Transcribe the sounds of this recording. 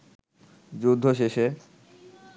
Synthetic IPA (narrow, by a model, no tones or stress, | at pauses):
d͡ʑud̪ʱːoʃeʃe